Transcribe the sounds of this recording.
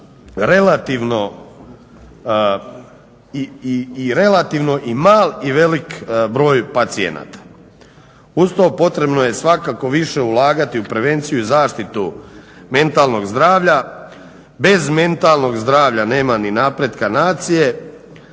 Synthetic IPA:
ɾelat̪iʋno̞ | iiiɾe̞lat̪iʋno̞ʔimaːliʋe̞likbɾo̞ːjpat̪siḛna̰ːt̪ḁ | ust̪opo̞t̪ɾe̞bno̞je̞sʋakako̞ʋiʃe̞ulaːɡat̪iupɾe̞ʋe̞nt̪sijuizaːʃt̪it̪ume̞nt̪alˠno̞ɡzd̪ɾaːʋʎa | be̞zme̞nt̪alˠno̞ɡzd̪ɾaːʋʎane̞ːmaninapɾed̪kanaːt̪sije̞

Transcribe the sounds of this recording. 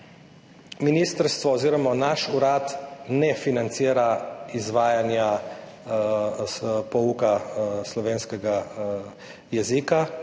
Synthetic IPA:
miniːst̪əɾst̪ʋɔɔziːɾɔmanaʃuɾat̪nɛfinant̪siːɾaizʋaːjanja | pɔukaslɔʋeːnskɛɡa | jɛzika

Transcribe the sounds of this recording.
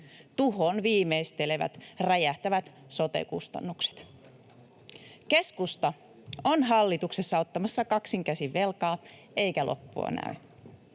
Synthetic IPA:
t̪uɦonʋiːmeist̪eleʋæ̰t̪ræjæht̪æʋæt̪ | so̞t̪e̞̰kṵst̪ɑ̰nːukse̥t̪ | ke̞skust̪ɑ | onɦɑlːit̪ukse̞sːɑo̞t̪ːɑmɑsːɑkɑksiŋkæsiʋːe̞lkɑː | e̞jkælʔo̰pːṵɑ̰næ̰y

